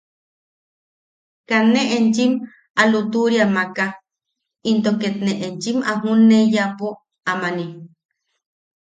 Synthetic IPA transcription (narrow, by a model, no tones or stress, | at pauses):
kaneʔent͡ʃim | alut̪uɾjamaka | int̪oket̪neʔent͡ʃimaɦunejapo | amani